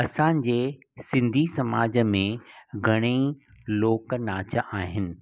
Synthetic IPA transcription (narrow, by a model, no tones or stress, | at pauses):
ɐsãːnɪ̆d͡ʑeː | sɪ̃nd̪ʱisɐmaːd͡ʑəmẽɡʱɐɽ̃e | loːknaːt͡ɕəʔaːɦɪnɪ̆